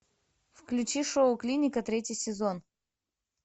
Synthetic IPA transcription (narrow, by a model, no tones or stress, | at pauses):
fklʲʉt͡ɕiʂoʊklʲinʲɪkət̪ɾʲetʲjɪjsʲɪzon